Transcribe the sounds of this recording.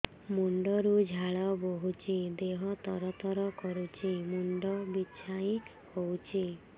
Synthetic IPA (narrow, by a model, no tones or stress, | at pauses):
muɳɖɔɾud͡ʒʱaɭɔboɦut͡ʃʰid̪eɦɔt̪ɔɾɔt̪ɔɾɔkɔɾut͡ʃʰimuɳɖɔbit͡ʃʰaĩ | howt͡ʃʰi